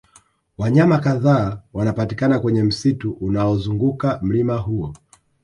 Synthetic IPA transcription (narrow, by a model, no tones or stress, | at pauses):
waɲamakaðaːwanapatikanakwɛɲɛm̩situʔunaɔzuŋɡukam̩limaɦuɔ